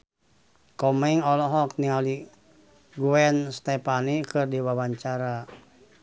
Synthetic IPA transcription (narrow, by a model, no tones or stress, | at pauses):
kɔmɛŋɔlɔɦɔk̚niali | ɡuɛnst̪ɛpanikɨrdiwawaɲt͡ʃaɾa